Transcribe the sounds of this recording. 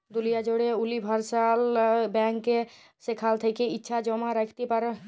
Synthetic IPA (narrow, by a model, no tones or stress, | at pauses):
d̪ʊlijad͡ʒoɽeʊlibʱəɾsaːlbɛ̃ːŋkːe | sekʰaːlt̪ʰəkeɪtːʃʰad͡ʒɔmaɾəkʰt̪ipəɾ